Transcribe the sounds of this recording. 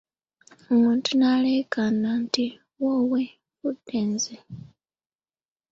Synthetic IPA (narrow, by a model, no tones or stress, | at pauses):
omuːntunalekananti | wowe | udeːnze